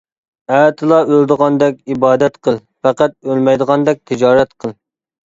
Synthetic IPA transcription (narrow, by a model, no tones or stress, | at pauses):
æt̪ʰɨlˠɑʔølˠd̪əʁɑnd̪ɛk̚ʲibɑːd̪ɛt̪qʰəlˠ | fɛqæt̪̚ølmɛjd̪əʁɑnd̪ɛk̚ʲt̪ʰɪd͡ʒɑːɾɛt̪qʰəlˠ